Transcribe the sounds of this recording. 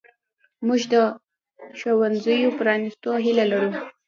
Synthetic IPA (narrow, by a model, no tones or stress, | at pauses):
muʒd̪ə | ʃowanzəjopɾɑnist̪oɦilalaɾu